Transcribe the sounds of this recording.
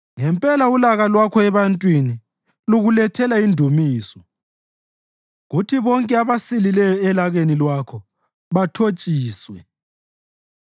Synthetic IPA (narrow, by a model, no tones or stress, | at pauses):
ŋɛmpʼɛlaulaɣalwakʰɔɛβantʼwini | luɣulɛtʰɛlaindʱumiːsɔ | ɣutʰiβɔŋkʼɛaβasililɛjɔɛlaɣenilwakʰɔ | βatʰot͡ʃʼiːswɛ